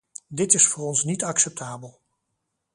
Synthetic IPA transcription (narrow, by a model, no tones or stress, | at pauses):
dɪtɪsfʊːrɔnsnitɑksɛp̚tʰaːbəlˠ